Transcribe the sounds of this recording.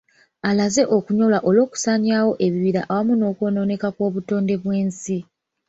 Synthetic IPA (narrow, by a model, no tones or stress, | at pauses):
alaze̞ʔo̞kuɲo̞lwaʔo̞lo̞ːku̥saːɲjaːwo̞ʔe̞βiβiɾa̰ʔawamuno̞ːkwo̞ːno̞ːne̞kakwo̞ːβuto̞ːnde̞βwe̞ːnsi